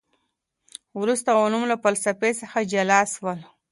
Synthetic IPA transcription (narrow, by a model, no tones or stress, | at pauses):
wɾust̪aonumlapəlsapesəxad͡ʒalɑswəl